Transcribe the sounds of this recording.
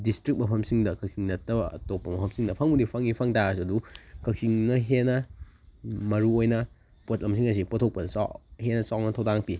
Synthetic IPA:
distɾik̚mɐpʰɐmsiŋdɐkʰɐk̚siŋnɐtːɐbɐɐ̰topːɐmɐpʰɐmsiŋdɐpʰɐŋbudipʰɐŋipʰɐŋtaɾɐs̬ɐdukʰɐk̚siŋnɐɦenɐ | mɐɾuojnɐ | pot̚lɐms̬iŋɐs̬ipotʰok̚pɐnɐsa̰henɐsawnɐtʰɐwdaŋpi

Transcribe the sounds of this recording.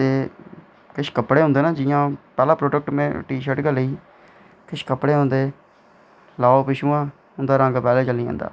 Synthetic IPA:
t̪eː | kɪʃkəpːɽeːɦõnd̪eːnaːd͡ʒɪjãːpɛːlãːpɾoːɖək̚ʈmḛ̃ːʈiːʃəʈɡəleiː | kɪʃkəpːɽeːɦõːnd̪eː | laːopɪʃuːãː | ɦʊnd̪aːɾəŋɡpɛːleːt͡ʃəlĩːã̰ːnd̪a̰ː

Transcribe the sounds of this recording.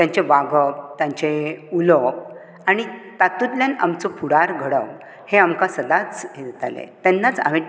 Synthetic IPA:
t̪jãɲt͡ɕeʋaɡʱəp̚t̪jãɲt͡ɕeulɔp̚ | aɽ̃it̪at̪ud̪ljãna̰mt͡sɔpuɽaɾɡʱəɽəw | heamkasəd̪at͡sjet̪a̰lḛt̪ɛnːat͡sa̰ʋe

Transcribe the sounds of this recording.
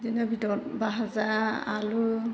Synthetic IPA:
dinɔbidɔt̚baɦazaa̰lu

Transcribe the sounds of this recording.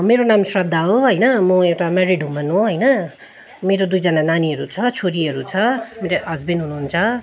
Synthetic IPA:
meɾonamsrʌd̪ʱːaoɦʌjnʌmʌewʈameɾiɖɦumʌnõɦʌjnʌ | meɾod̪ujd͡zʌnananiɦʌɾut͡sʰʌt͡sʰoɾiɦʌɾut͡sʰʌmeɾeʔʌd͡zbenɦunuɦːnt͡sʰʌ

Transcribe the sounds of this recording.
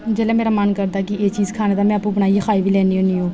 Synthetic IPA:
d͡ʒɛːleːmeːɾaːmənkəɾd̪aːkɪeːt͡ʃiːzkʰaːneːd̪aːmɛ̃ːəpũːbəɽaːiːkʰaːiːʋiːlɛːniːɦoːniːɦoː

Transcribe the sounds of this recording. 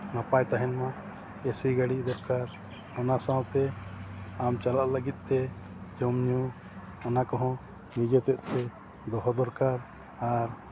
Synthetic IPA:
napajt̪aɦɛnmã | esiɡaɽid̪ɔɾkaɾ | ɔnasãwt̪ɛ | amt͡ʃalaʔləɡit̪̚ˀt̪ɛ | d͡ʒɔmɲu | ɔnakɔɦɔ̃ | nid͡ʒet̪ɛʔ̪ˀt̪ɛ | d̪ɔɦɔd̪ɔɾkaɾ | aɾ

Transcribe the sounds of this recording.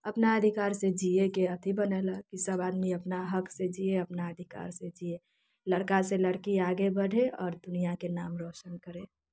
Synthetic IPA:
əpnaəd̪ʱikaːɾsed͡ʒiekeət̪ʰibəneːlakisəbaːd̪miəpnaɦəksed͡ʒieəpnaəd̪ʱika̰ːɾsed͡ʒie | ləɽkaseləɽkiaːɡebəɽʱeɔːɾd̪ʊnijakenaːmɾoːʃənkəɾẽː

